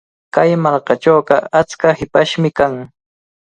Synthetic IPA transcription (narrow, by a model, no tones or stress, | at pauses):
kajmalkɑʈ͡ʂowɢɑat͡skahɪpaʃmɪkaŋ